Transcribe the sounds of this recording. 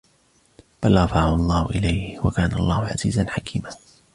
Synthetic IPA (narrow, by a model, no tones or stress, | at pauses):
b̥alɾˤɑfaʕaɑlˤːɑːhʊʔɪlajhwa̰kaːnaʔɑlˤːɑːhʊʕa̰zḭːzanħakʰiːmaː